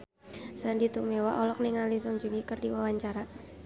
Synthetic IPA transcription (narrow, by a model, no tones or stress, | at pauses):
səndit̪umewaʔɔlɔk̚niŋalisɔŋd͡ʒuŋikərdiwawaɲt͡ʃaɾa